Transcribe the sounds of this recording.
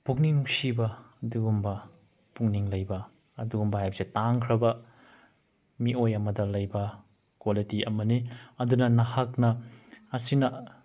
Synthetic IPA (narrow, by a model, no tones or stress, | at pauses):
puk̚niŋusibɐːduɡumbɐ | puŋniŋlɐjbɐː | duɡumbɐhajbɐsetaŋkʰɾɐbɐ | miʔojɐmɐdɐlɐjbɐ | kwalitiʔɐmɐniɐdunɐnɐhaknɐɐsinɐ